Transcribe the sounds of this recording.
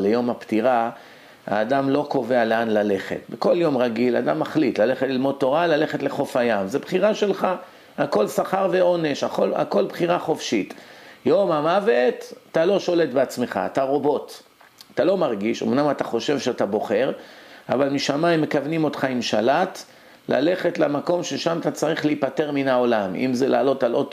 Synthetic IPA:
lejo̞maptiʁa | ha̰ːdamlo̞ko̞ve̞ale̞anlale̞χe̞̰t̪beko̞ljo̞mʁaɡila̰d̪amːaχlit̪lale̞χetlilmo̞d̚t̪o̞ʁalale̞χetleχo̞fajamzebχiʁaʃe̞lχa | ako̞lsaχaʁve̞o̞ne̞ʃaola̰ko̞lbχiʁaχo̞fʃit̪jo̞mamavet̪aːalo̞ʃo̞le̞tbeat͡sme̞χa̰ːtaʁo̞bo̞t | at̪alo̞maʁɡiʃo̰mnamat̪aχo̞ʃe̞vʃeatabo̞χe̞ʁavalmiʃamaimːe̞kavnimo̞tχaimʃalat̪ | la̰le̞χe̞tlamako̞mʃeʃamat̪at͡saʁiχliipate̞ʁminao̞lamḭmzela̰ːlo̞talʔot

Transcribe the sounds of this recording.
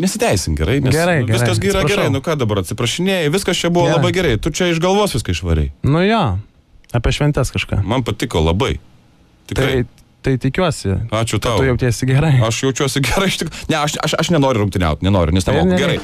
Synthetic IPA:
nʲɛsʲɪt̪ʲɛɪsʲɪnɡʲɛɾɐɪnʲɛɡʲɛɾɐɪʋʲɪskɐs̬ɡʲiːɾɐɡɛɾɐɪnʊkɑːd̪ɐbɐɾɐt̪ʲsʲɪpɾɐʃʲɪnʲeːjɛʋʲɪskɐst͡ʃʲɛbʊʋolˠɐbɐɪɡʲɛɾɐɪt̪ʊt͡ʃʲɛɪʒɡɐlˠʋoɔsʋʲɪskɐɪʃʋɐɾʲɛ̰ɪnʊjoː | ɐːpʲiɛʃʲʋʲɛnʲt̪ʲɛskɐʃka̰ːmɐnpɐt̪ʲɪkoːlˠɐbɐɪ | t̪ʲɪktɐtɐɪɪ | t̪ɐɪt̪ʲɪkʲuɔsʲɪɑːt͡ʃʲʊt̪ɑtʊjɛʊtʲæːsʲɪɡʲɛɾɐɪɐʃjɛʊt͡ʃʲuɔsʲɪɡʲɛɾɐɪɪʃt̪ʲɪknʲɛɐʃɐʃɐʃnʲɛnoːɾʲʊɾʊŋkt̪ʲɪnʲɛ̰ʊt̪ʲnʲɛnoːɾʲʊnʲɛsnʲɛoːɡʲɛɾɐɪ

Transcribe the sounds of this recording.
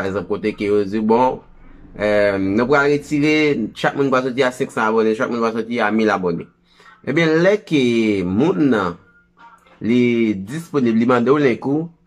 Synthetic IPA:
aeɡzãp̚kot̪ekejod͡zibɔ̃ | nũp̬ɣalɣet͡siʁeʃak̚mũnpwas̬ɔtiasɛ̃ksãabonẽʃak̚mũnpwas̬ɔtiamilabonḛ | ẽbjɛ̃lɛkemũnːɐ̃ | lid͡zisponiblimãd̪eõlɛ̃ku

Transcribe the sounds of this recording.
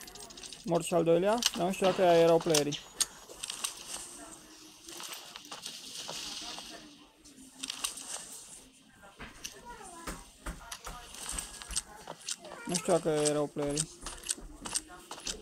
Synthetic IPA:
morʃiald̪ojliad̪anuʃt̪iwakəjajeɾawpleɾi | nuʃt̪iwakəjajeɾawpleɾi

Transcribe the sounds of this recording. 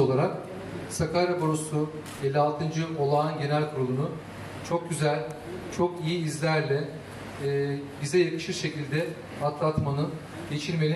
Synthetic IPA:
o̞lˠaɾak̚ | sakaɾaboɾosu | ɟelʲalˠt̪ʰɯnd͡ʒɯʔo̞lˠaːnɟe̞nælʲkʰuɾolˠunu | t͡ʃʰo̞k̚ɟyzælʲ | t͡ʃʰo̞kijiːzlʲæɾlʲɛː | bizɛjakɯ̥ʃɯɾʃe̞cilʲd̪ɛ | hat̪lˠat̪manɯ | ɟ̥e̞t͡ʃʰiɾme̞lʲi

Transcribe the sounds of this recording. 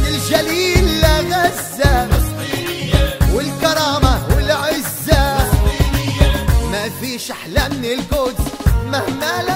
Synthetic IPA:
ɪld͡ʒaliːlːanazːa | wɪlkɑɾˤɑːmawɪlʕɪzːa | mafiːʃʔaħlaːmnilɡʊd̪mahmal

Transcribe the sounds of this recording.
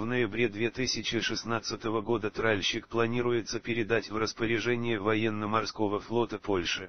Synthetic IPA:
vnəjɪbɾʲe̞d̪vʲet̪ɨsʲɪt͡ɕɪʂɨsnat̪sɨt̪əvəɡo̞d̪ət̪ɾalʲɕɪkplˠɐnʲiɾʊjɪt̪səpʲɪɾʲɪd̪atʲvrəspəɾʲɪʐɛnʲɪjɪvɐjenːəmɐrsko̞vəflˠo̞t̪əpo̞lʲʂɨ

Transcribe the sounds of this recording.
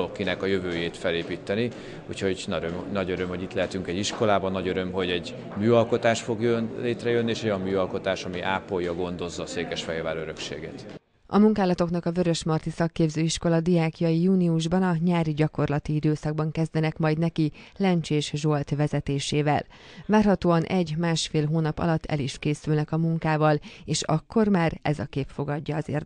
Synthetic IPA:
okːinɛkɒjøvøːjeːt̪fɛleːpiːt̪ːɛni | ṵːcho̞ɟ̪nɒɟøɾømho̞ɟit̪lɛɦɛt̪yŋkɛɟiʃko̞laːbɒnːɒɟøɾø̞mɦo̞ɟɛɟ | myːɒlko̞t̪aːʃfo̞ɡjønleːt̪rɛjønːieːʃɛojɒmmyːɒlko̞t̪aːʃɒmiʔaːpːo̞jːɒɡo̞nd̪o̞zːɒːseːkɛʃfɛljɒvaːɾøɾø̞kʃḛːɡḛt̪ | ɒ̰muŋkaːlɒt̪o̞knɒkɒvø̞ɾø̞ʃmɒrt̪isɒkːeːbzøːiʃko̞lɒd̪ijaːkijɒjijuːniuʒbɒnɒɲaːɾiɟɒko̞rlɒt̪iid̪øːsɒɡ̚bɒŋkɛzd̪ɛnɛkmɒjd̪nɛkilɛnt͡ʃeːʃʒo̞lt̪ʋɛzɛt̪eːʃeːvɛ̰l | vaːrɦɒt̪oːɒnʔɛɟmaːʃfeːlɦoːnɒpɒ̰lɒt̪ʰːɛ̰liʃkeːsylnɛkɒmuŋkaːvɒleːʃɒkːo̞rmaːrɛ̰zɒ̰keːpfo̞ɡɒɟːɒːzḛːr

